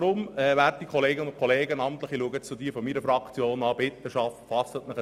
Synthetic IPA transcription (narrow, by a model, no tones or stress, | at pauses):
ɾʊmɛʋæːɾtikʰɔleːɡənʊnkʰɔleːɡənɑmt̪ləχiluəɡətt͡sʊdiːfɔmiːɾəfɾɑkt͡sjoːnɑːbɪt̪ːəʃɑftfɑsət̪mɪχ